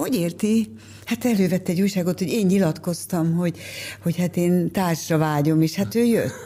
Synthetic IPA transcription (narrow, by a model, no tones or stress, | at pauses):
ho̞ɟeːrt̪i | hat̪ɛløːvɛt̪ːɛɟuːjʃaːɡo̞t̪ho̞ɟeːɲːilɒt̪ko̞st̪ɒmɦo̞ɟho̞chat̪eːnt̪aːʃrɒvaːɟo̞meːʃhat̪øːjø̰t̪ː